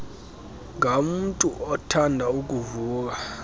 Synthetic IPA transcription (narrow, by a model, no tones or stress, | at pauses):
ŋɡʱamutʼuʔɔtʰandʱauk̬ʼuvuːk̬ʼa